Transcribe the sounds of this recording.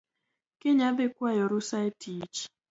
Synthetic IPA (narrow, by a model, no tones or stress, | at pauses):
kɪɲabekwajɔɾusaetʰit͡ʃ